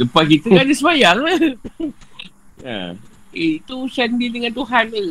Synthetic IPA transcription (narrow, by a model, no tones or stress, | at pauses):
ləpakit̪əkadisəmajaŋa | ja̰ | iit̪usɛndidəŋant̪uɦanə